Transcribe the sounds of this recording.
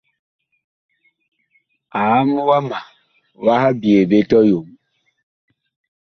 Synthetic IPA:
a˨˦m˦wa˦ma˨ | wa˦ha˦bje˨be˦tɔ˦jo˨m

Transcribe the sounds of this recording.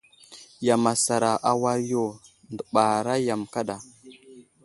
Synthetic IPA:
ja˨ma˨sa˨ɾa˨ʔa˨wa˦ɾjo˦˨ | ndə˨ɓa˨ɾa˦ja˨mka˦ɗa˨

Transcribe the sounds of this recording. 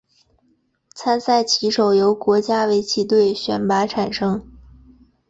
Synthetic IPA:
t͡sʰa˥nsa˥˩ɪt͡ɕʰi˧˥ʂo˨˩ʊjo˧˥ʊkwɔ˧˥t͡ɕja˥we˧˥ɪt͡ɕʰi˧˥t̪we˥˩ɪɕɥɛ˧˥˩npa˧˥ʈ͡ʂʰa˨˩nʂɤ˥ŋ

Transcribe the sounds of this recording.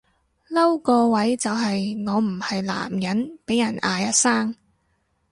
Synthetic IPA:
lɐ˥wkɔː˧wɐ˨˥jt͡sɐ˨wɦɐ˨jŋɔː˨˧m̩˨˩hɐ˨jla̰ː˨˩mjɐ˨˥npe˨˥jɐ˨˩naː˨˧jɐ˥t̚saː˥ŋ

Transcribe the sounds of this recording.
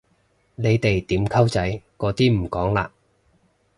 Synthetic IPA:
ne˨˧jt̪e˨jt̪iː˨˥mkʰɐ˥wt͡sɐ˨˥jkɔː˨˥t̪iː˥m̩˨˩kɔː˨˥ŋla̰ː˧

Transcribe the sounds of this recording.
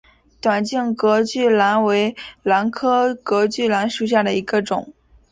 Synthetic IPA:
t̪wa˨˩nt͡ɕi˥˩ŋkɤ˧˥t͡ɕy˥˩la˧˥nwe˧˥ɪla˧˥nkʰɤ˥kɤ˧˥t͡ɕy˥˩la˧˥nʂu˨˩ɕ̬ja˥˩d̪ə˩i˧˥ɡə˧ʈ͡ʂʊ˨˩˦ŋ

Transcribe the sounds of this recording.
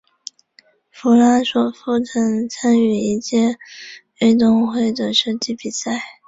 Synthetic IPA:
fu˧˥la˥nʂwɔ˨˩fu˥˩t͡sʰɤ˧˥ŋt͡sʰa˥ny˧˥i˥˩ɕjɛ˥ | e˥˧t̪̬ʊ˥˧ŋxwe˥˩ɪd̪ə˨˩ʂɤ˥t͡ɕi˥˩pi˨˩sa˥˩ɪ

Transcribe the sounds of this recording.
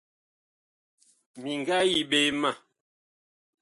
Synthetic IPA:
mi˨ŋ˨ɡa˦ji˨ɓe˦ma˦˨

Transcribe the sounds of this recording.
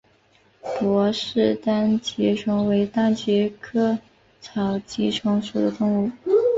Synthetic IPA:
pwɔ˧˥ʂɻ̩˥˩t̪a˥nt͡ɕɛ˧˥ʈ͡ʂʰɤ˧˥ŋwe˧˥ɪt̪a˥nt͡ɕɛ˧˥kʰɤ˥ | t͡sʰɑ˨˩ʊt͡ɕi˥ʈ͡ʂʰɤ˧˥ŋʂu˨˩d̪ə˦t̪ʊ˥˧ŋu˥˩

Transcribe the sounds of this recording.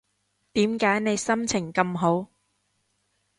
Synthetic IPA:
t̪iː˨˥mkaː˨˥jne˨˧jsɐ˥mt͡sʰɪ˨˩ŋkɐ˧mɦo˨˥w

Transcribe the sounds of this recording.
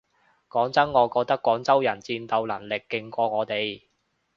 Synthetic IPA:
kɔː˨˥ŋt͡sɐ˥nŋɔː˨˧kɔː˧k̚t̪ɐ˥kːwɔː˨˥ŋt͡sɐ˥wjɐ˨˩nt͡siː˧nt̪ɐ˧wlɐ̰˨˩ŋlɪ˨kːɪ˧ŋkʷɔː˧ŋɔː˨˧t̪e˨j

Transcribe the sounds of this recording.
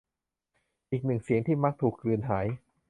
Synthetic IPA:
ʔiː˨˩k̚nɯ˨˩ŋsi˨˩˦əŋt̪ʰiː˥˩ma˦˥k̚t̪ʰuː˨˩kːɾɯː˧nɦaː˩˦j

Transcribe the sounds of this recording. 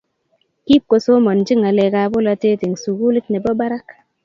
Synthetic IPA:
ki˦p̚ko˨so˦ma˨nd͡ʒi˦ŋa˨le˨ka˨bo˦la˧te˦ti˨ŋsu˨ɡu˦li˦tne˨bɔ˦ba˦ɾa˦k

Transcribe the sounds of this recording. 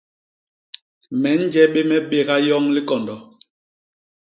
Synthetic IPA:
mɛ˨˦n̩˦d͡ʒɛ˦ɓe˦mɛ˦ɓe˦ɣa˦jɔ˦ŋli˦kɔ˨ndɔ˨

